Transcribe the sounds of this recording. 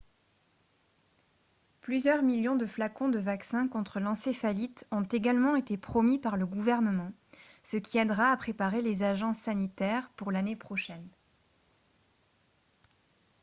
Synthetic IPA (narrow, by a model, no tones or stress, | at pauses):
plyzjœʁmiljɔ̃d̪əflakɔ̃d̪əvaksɛ̃kɔ̃t̪χəlɑ̃sefalit̪ɔ̃t̪eɡalmɑ̃et̪epχɔmipaʁləɡuvɛʁnəmɑ̃səkʲiɛd̪ʁaːpχepaʁelezaʒɑ̃sːanit̪ɛʁpuʁlanepχɔʃɛn